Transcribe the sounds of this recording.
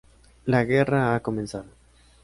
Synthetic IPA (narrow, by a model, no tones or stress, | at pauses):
laɣeraako̞mẽnsaðo